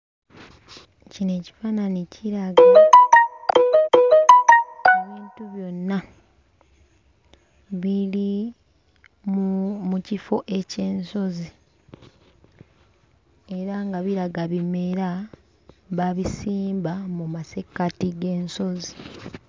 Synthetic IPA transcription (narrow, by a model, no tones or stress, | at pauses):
cine̞ci̥faːnanicʰiɾaɡa | oβiːntuβjo̞nːa | βili | mmucifo̞ʔe̞ce̞ːnso̞zi | e̞ɾaŋɡaβiɾaɡaβime̞ɾa | βaβisiːmbamumase̞kːatiɡe̞ːnso̞zi